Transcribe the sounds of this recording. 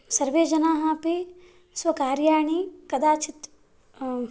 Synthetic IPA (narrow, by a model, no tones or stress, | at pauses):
sɐɾʋeːd͡ʒɐnaːɦãːpi | swɐkaːɾjaːɳ̃ikɐd̪aːt͡ʃʰit̪